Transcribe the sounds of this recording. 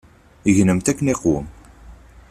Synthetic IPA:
əʝnəmt̪ækːəneqwə̰m

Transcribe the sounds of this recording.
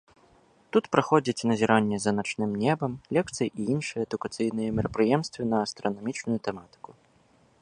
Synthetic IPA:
t̪ut̪pɾaxɔd͡zʲit͡sʲnɐzʲɛɾʔanʲːɛzɐnat͡ʂnɨmnʲɛbɐmlʲɛk̚t̪sɨjiʔiinʂɨjɛːd̪ʊkat̪sɨjnɨjɛmʲɛɾɐpɾɨjɛmst̪vʲɐnɐːst̪ɾɐnɔmʲit͡ʂnʊjut̪ɛmat̪ɨ̥ku

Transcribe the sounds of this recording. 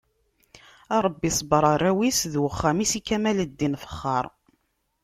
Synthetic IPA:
ɑɾˤəbːisˤbɾˤɑɾˤːæwisðwəχːæmisikːæmæləd̪ːinfə̥χːɑɾˤ

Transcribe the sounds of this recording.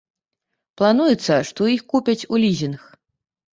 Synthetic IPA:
plˠanujɛt̪sːɐʂt̪ɔixkupʲɐt͡sʲulʲizʲinx

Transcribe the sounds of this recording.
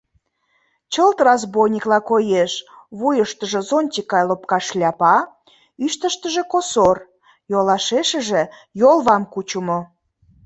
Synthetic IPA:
t͡ɕəlt̪rɑzbojnʲiklɑkojeʃ | βujəʃt̪əʒə̆zonʲt̪ʲikɑjlopkɑʃlʲɑpɑ | yʃt̪əʃt̪əʒĕkosor | jolɑʃeʃə̆ʒe | jolˠβɑmkut͡ɕumo

